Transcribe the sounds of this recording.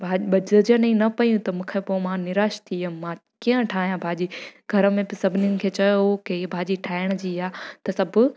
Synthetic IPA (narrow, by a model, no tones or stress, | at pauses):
bʱaːɓɐd͡ʑd͡ʑənĩnɐpɐjũt̪ɐmũːkʰepoomãnɪɾaːʃt̪ʰiəmãkiːə̃ʈʰaːɦijãbʱaːd͡ʑiːɡʱɐɾə̆mẽbɪsɐbʱɪniʊnɪ̆kʰeːt͡ɕɐjokebʱaːd͡ʑiːʈʰaːɪɽ̃ə̆d͡ʑiːaːt̪ɐsɐbʱʊ